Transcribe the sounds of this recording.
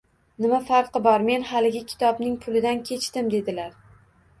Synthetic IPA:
nɪmafaɾqɨbɒɾme̞nhalɪɡʲɪkʲʰɪ̥t̪ʰɒbnɪŋpʰʊlɪd̪ankʲʰe̞t͡ʃt̪ɪmd̪e̞d̪ɪlaɾ

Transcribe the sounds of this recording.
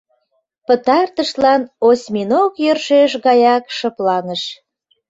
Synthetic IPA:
pə̆t̪ɑrt̪əʃlɑnosʲminokjørʃeʃɣɑjɑkʃɤplɑnəʃ

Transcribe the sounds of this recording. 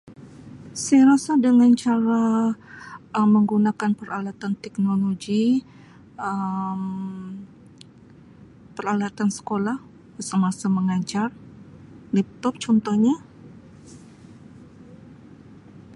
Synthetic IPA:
sajaɾasadəŋant͡ʃaɾa | ʔəmːəŋɡunakanpəɾalat̪ant̪ɛk̚noloɡi | əm | pəɾalat̪ansə̥kolah | əsəmasaməŋad͡ʒar | lɛp̚t̪ɔp̚t͡ʃɔnt̪ɔhɲa

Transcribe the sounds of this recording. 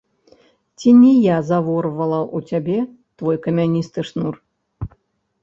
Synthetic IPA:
t͡sʲinʲɛjazavɔrvɐlˠɐʔut͡sʲabʲɛ | t̪vɔjkɐmʲanʲist̪ɨʂnur

